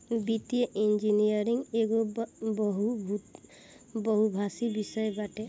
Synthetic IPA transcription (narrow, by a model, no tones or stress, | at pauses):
bit̪jeʔind͡ʒinijɔɾiŋeɡɔbɔɦubʱu | bɔɦubʱasibisɔjbaʈɛ